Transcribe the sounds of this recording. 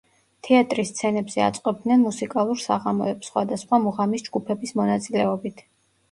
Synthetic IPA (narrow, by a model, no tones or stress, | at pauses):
t̪ʰɛat̪ʼɾist̪sʰɛnɛbz̥ɛa̰t̪sʼqʼɔb̚d̪nɛnmusikʼalˠuɾsaʁamɔɛpsχwa̰d̪asχwamuʁamisd͡ʒɡupʰɛbismɔnat̪sʼilɛɔbit̪ʰ